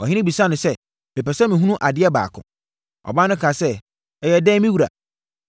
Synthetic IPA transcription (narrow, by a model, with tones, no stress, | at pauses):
ɔ˨hɪ̃˦ɪ̃˦bi˨sa˦nʊ̃˨sɛ˦ | mɪ̃˨pɛ˨sɛ˦mɪ̃˨ɦũ˦ũ˦ʔa˨dɪ˦ɛ˦ba̰ː˨kʰʊ̰̃˨ | ɔ̰˨ba˦nʊ̃˦kʰa˨sɛ˦ | ɛ˨jɛ˨dɛ̃˦mĩ˦wu˨ɾa̰˨